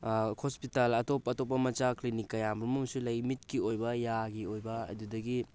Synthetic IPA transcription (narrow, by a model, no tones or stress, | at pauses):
hospitalɐtopːɐtop̬ːɐmɐt͡ʃaklinikːɐjamɾumɐmsulɐjmit̚kiojbɐjaɡiojbɐɐ̰dudɐɡi